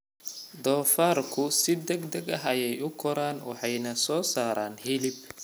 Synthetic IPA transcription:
d̪ɔːfaːrkʰʊsɪd̪ɛɡd̪ɛɡɐɦɐjɛjʊkʰɔɾaːnwɑ̰ħɑjnɐsɔːsaːɾaːnhilɪb

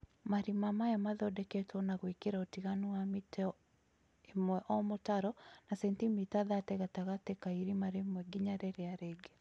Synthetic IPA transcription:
maɾimamajamaðɔdɛkɛtwɔnaɣwekeɾaɔtiɣanuamitɛ | emwɛʔɔmotaɾɔnasɛntimitaðatɛɣataɣatɛkaiɾimaɾemwɛɡiɲaɾɛɾeaɾeɡe

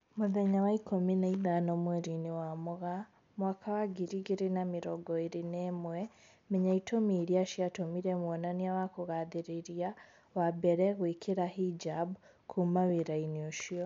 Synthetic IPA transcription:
muðeɲawaikuminaiðanomweɾiniwamuɣa | mwakʰawaɡiɾiɡiɾinamiɾoɡoiɾinemwe | miɲaitʰomiɾjaʃiatomiɾemwonaniawakuɣaðiɾiɾia | wabeɾeɣwiːkiɾahid͡ʒabu | kʰumaβiɾainjuʃio

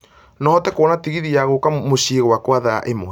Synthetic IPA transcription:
nɔɔtɛkoɔnatiɣiðiaɣokamoɕiɣwakwaðaa̰ʔemo

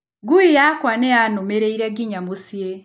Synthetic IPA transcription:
ɡuijakwaneanomeɾeiɾaɡiɲamusie

